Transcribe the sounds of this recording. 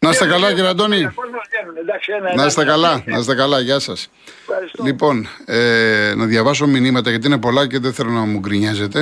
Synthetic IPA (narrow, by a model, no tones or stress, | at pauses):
nɐst̪ekɐlɐʝeɾɐd̪o̞ni | nɐsst̪ekɐlɐnɐ̰sest̪e̞kɐlɐʝɐsɐs | lipo̞nenɐðjʝɐvɐs̬o̞minimɐt̪ɐʝɐt̪iine̞po̞lɐce̞ðeθe̞lo̞nɐmuɡɾiɲɐze̞t̪e̞